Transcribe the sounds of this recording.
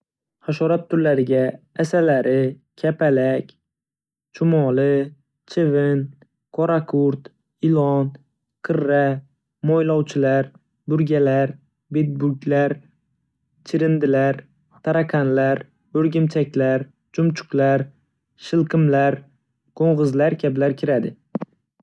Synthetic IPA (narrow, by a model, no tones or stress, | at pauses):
haʃɒɾat̪̚t̪ʰːʊɾlaɾɪɡʲaː | salaɾɪ | kʲʰapʰalakʲ | t͡ʃʰʊmɒlɪ | t͡ʃʰɪvɪn | kʰɒɾakʰʊɾt̪ | ɪlˠɒn | qʰɨɾːa | mojlɒwt͡ʃʰɪlaɾ | bʊɾɡʲalaɾ | bet̪̚bʊɡʲlaɾ | t͡ʃʰɪɾɪnd̪ɪlaɾ | t̪ʰaɾakʰanlaɾ | ɵɾɡʲɪmt͡ʃʰakʲlaɾ | d͡ʒʊmt͡ʃʰʊ̥qlaɾ | ʃɪlˠqʰɨmlaɾ | qʰoɴʁɨzlaɾkʲʰablaɾkʲʰɪɾad̪ɪ